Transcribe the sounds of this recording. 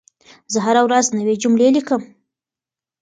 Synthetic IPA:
zəɦaɾawɾaznawed͡ʒʊmlelikəm

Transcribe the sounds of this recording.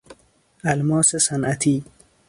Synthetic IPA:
almɔːsesanʔat̪ʰi

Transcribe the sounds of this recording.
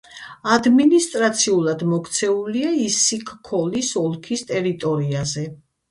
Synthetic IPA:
ad̪minist̪ʼɾat̪sʰiulˠad̪mɔkʰt̪sʰɛuliaisikʰkʰɔlisɔlˠkʰist̪ʼɛɾit̪ʼɔɾiazɛ

